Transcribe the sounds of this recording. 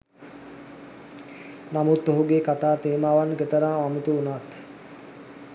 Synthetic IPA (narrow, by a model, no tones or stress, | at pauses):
namut̪ːoɦuɡeːkat̪aːt̪eːmaːʋanɡet̪əɾaːmamit̪uunat̪